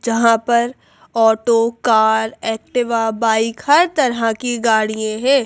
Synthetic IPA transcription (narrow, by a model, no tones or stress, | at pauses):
d͡ʒɐɦãpɐɾ | ɔːʈokaːɾɛːk̚ʈɪʋabaːɪkhɐɾt̪ɐɾɦakiɡaːɽijẽɦɛ̃ː